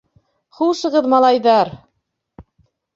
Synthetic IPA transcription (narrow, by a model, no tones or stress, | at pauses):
χulˠʃɤ̆ʁɤðmɑlˠɑjðɑɾ